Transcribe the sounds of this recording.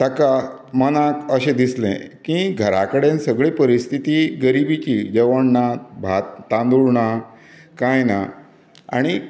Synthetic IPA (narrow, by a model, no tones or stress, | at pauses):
t̪aka | mənakəɕẽd̪islɛ̰̃kĩɡʱəɾakəɽẽnsəɡɭepəɾist̪ʰit̪iɡəɾibit͡ɕid͡ʑəʋəɳnabʱat̪t̪ãnd̪uɾɳa | kãjna̰ | a̰ɽ̃i